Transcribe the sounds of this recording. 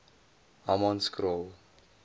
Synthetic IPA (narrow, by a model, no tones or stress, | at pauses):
amɔ̃nskɾol